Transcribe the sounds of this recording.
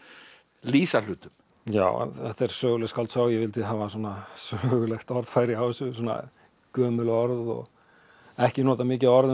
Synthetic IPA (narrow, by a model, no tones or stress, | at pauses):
liːsalʏːt̪ʏm | ja̰ːw̰ɛht̪ɛɾ̥sœːɣʏlɛskalt̪sawjɛvɪlt̪ɪɦaːvas̬ɔːnasœːɣʏlɛxt̪ɔɾð̥faːjɾiawsʏsɔːna̰ | kœːmʏlɔɾðɔ̰ɣ | ɛhcɪnɔːt̪amɪːcɪaɔɾðɪ